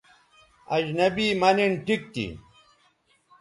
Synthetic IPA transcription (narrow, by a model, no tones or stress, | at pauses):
ɐ̰d͡ʑnɐbiːmɐnenʈik̚t̪ḭ